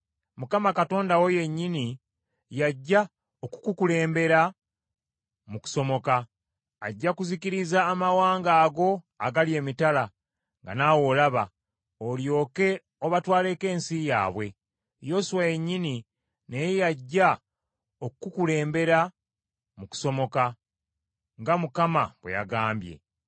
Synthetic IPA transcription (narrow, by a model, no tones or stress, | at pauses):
mukamakato̞ːndawo̞je̞ɲːini | jaɟːa | oku̥kukule̞ːmbe̞ɾa | muku̥so̞mo̞kaː | ɟːakuziciɾizaːmawaːŋɡaːɡo̞ | aɡalje̞ːmitala | ŋɡa̰nawo̞laβa̰ | oljo̞ːke̞ | oβatwaːle̞ːke̞ːnsija̰ːβwe̞ | jo̞ːsuwaje̞ɲːini | nejejaɟːa | okkukule̞ːmbe̞ɾa | muku̥so̞mo̞ka | ŋɡamukamaβweja̰ɡaːmbje̞̰